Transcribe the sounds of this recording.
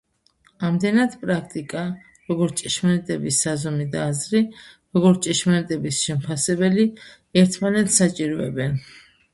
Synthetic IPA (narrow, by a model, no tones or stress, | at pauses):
amd̪ɛnad̪pʼɾakʰt̪ʼikʼa | ɾɔɡɔɾt̪t͡ʃʼɛʃmanɛt̪ʼɛbisːazɔmid̪aːzɾiɾɔɡɔɾt̪t͡ʃʼɛʃmanɛt̪ʼɛbisʃɛmpʰasɛbɛli | ɛɾt̪ʰmanɛt̪ssat͡ʃʼiɾɔɛ̰bɛn